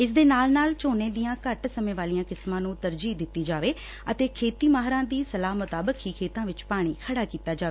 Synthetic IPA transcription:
ɪsd̪eːnaːlnaːlt͡ʃoːneːd̪ijãːkəʈsəmẽːʋaːlijãːkɪsmãːnũːt̪əɾd͡ʒiːd̪ɪt̪ːiːd͡ʒaːʋeː | ət̪eːkʰeːt̪iːmaːɦɾãːd̪iːsəlaːmʊt̪aːbəkːiːkʰeːt̪ãːʋɪt͡ʃpaːɽ̃iːkʰəɽaːkiːt̪aːd͡ʒaːʋeː

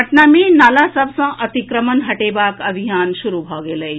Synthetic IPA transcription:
əʈnamiːnalasɐbsə̃ʔɐt̪ikɾəmənɦɐʈeːbaːkɐbʱijaːnʃuɾubʱɔɡeːləj

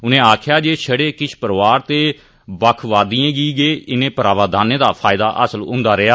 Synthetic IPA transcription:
ʊnẽːaːkʰjaːd͡ʒeːʃʰəɽeːkɪt͡ʃʰpəɾʋaːɾt̪eː | bəkʰʋaːd̪iːãːɡiːɡeːɪnẽːpəɾaːʋaːd̪aːnẽːd̪aːpʰaːɪd̪aːʔəsəlɦʊ̰̃nd̪aːɾɪaː

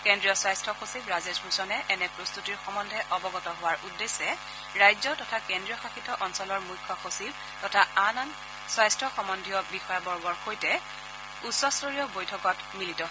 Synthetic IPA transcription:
kendɹijɔswajstʰɔxosibɹazesbusɔnɛʔɛnɛpɹost̪utiɹxɔmɔndʱɛʔɔbɔɡɔtɔɦowaɹʔudːesːɛ | ɹajzɔtɔtʰakendɹijɔxaxitɔʔɔnsɔlɔɹmujkʰːɔxosib̚ | tɔtʰaanan | swajstʰɔxɔmɔndʱijɔbixɔjabɔɹbɔɹxojtɛ | usːɔstoɹiɔbojtʰɔkɔt | militɔ

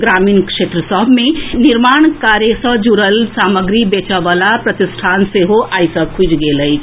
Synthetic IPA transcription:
ɡɾamiːnkʂeːt̪ɾəsəbʱmẽniɾmaːɳkaɾjesə̃d͡ʒuɾəlsaːməɡɾibet͡ʃəʋalapɾət̪isʈʰaːnseɦoʔajsəkʰud͡ʒɡeləi

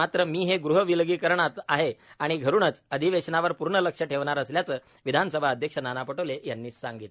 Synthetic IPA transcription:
at̪ɾəmiːɦeɡɾuɦəʋilɡiːkəɾɳat̪aɦeaɽ̃iɡʱəɾuːnət͡səd̪ʱiʋeɕnaʋəɾpuɾɳələkʂəʈʰeʋɳaɾəsljat͡səː | ʋid̪ʱansəbʱaəd̪ʱjəkʂənanapəʈəʋlejanːiːsaŋɡit̪

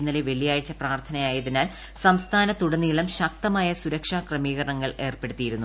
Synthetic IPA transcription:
inːɐleʋe̞ɭijaːɻit͡ɕːɐpraːrt̪ʰɐnɐjaːjɐðinaːl | sɐmst̪ʰaːnɐt̪uɽɐnːiːɭɐmɕɐk̚t̪ɐmaːjɐsuɾɐkʂaːkrɐmiːɣɐrɳɐŋːɐɭe̞ːrpe̞ɽut̪ːijiɾunːu

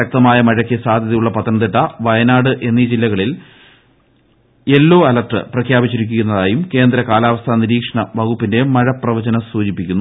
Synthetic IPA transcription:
ɐk̚t̪ɐmaːjɐmɐɻɐkʲːisaːd̪ʱjɐðɐjuɭːɐpɐt̪ʰːɐnɐt̪̬iʈːɐʋɐjɐnaːɽɨʔe̞nːid͡ʑilːɐɣɐɭil | e̞lːo̞ːɐlɐʈrɨ̰prɐkʰjaːbit͡ɕːiɾikʲːuɣʲːunːɐðaːjumke̞ːnd̪ɾɐkaːlaːʋɐst̪ʰaniɾiːkʂɐɳɐʋɐɣupːinde̞mɐɻɐprɐʋɐd͡ʑɐnɐsuːd͡ʑipːikʲːunːu

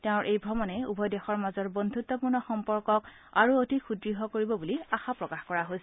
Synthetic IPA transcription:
teʊ̃ɹʔejbʱɹɔmɔnɛṵbʱɔjdɛxɔɹmazɔɹbɔnd̪ʱut̪ːɔpuɹnɔxɔmpɔɹkɔk | aɹuotixudɹiɦɔkoɹibɔbuliaxapɹɔkaxkɔɹaɦojs

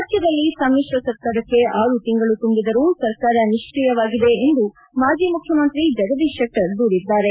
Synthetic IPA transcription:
tjɐd̪ɐlːisɐmiːʃʋɐsɐɾkaːɾɐkːe̞ʔaːɾut̪iŋɡɐɭut̪umbid̪ɐɾusɐɾkaːɾɐniʂʈɾijɐʋaːɡid̪e̞ːnd̪u | maːd͡ʒiːmukʰjɐmɐnt̪ɾid͡ʒɐɡɐd̪iʃɐk̚ʈɐɾd̪uːɾid̪ːaːɾe̞

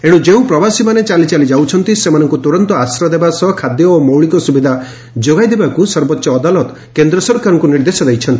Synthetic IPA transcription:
eɽ̃ũd͡ʒeũpɾɔbasimanet͡ʃalit͡ʃalid͡ʒawt͡ʃʰɔnt̪isemanɔŋkut̪uɾɔnt̪ɔasɾɔd̪ebasɔkʰad̪jɔomowɭikɔsubid̪ʱa | d͡ʒoɡajd̪ebakusɔɾbɔtːʃɔːd̪alɔt̪ɔ | kend̪ɾɔsɔɾkaɾɔŋkuniɾd̪esɔd̪ejt͡ʃʰɔnt̪i

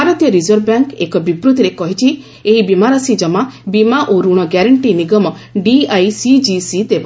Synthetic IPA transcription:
aɾɔt̪jɔɾizɔɾbjaŋkekɔbibɾud̪ʱiɾekɔɦit͡ʃʰi | eɦibimaɾɔsid͡ʒɔmabimaʔoɾuɽ̃ɔɡaɾaɳʈiniɡɔmɔɖiajsid͡ʒisid̪eba

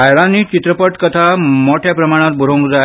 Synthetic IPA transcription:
ajɭãnːiːt͡ɕit̪ɾəpəʈkət̪ʰamoʈʰjapɾəmaɽ̃ãt̪̚buɾõŋkd͡za

